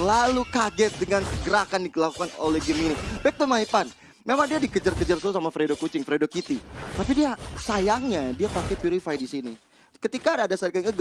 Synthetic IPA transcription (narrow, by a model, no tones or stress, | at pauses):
lalukaɡɛt̪̚dəŋansəɡəɾakandikəlakukano̰lɛhɡəminibɛk̚t̪omaipan | memaŋdiadikəd͡ʒərkəd͡ʒərsuusamafɾedokut͡ʃɪŋfɾedokit̪it̪apidiasajaŋɲadiapakɛpiɾifajdisini | kət̪ikaadasakaəɡ